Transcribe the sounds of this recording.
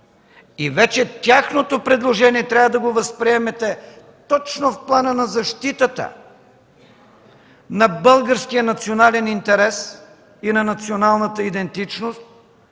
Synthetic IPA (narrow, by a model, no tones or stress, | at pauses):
ivɛt͡ʃɛt̪ʲaxnot̪opɾɛd̪lˠoʒɛniɛt̪ɾʲavəd̪ɐɡovəspɾiɛmɛt̪ɛ | t̪ɔt͡ʃnofplˠanənɐzɐʃt̪it̪ət̪ə̰ | nɐbɤlˠɡəɾskijənɐt̪sionalɛnint̪ɛɾɛs | inɐnɐt̪sionalˠnət̪əid̪ɛnt̪it͡ʃnost̪̚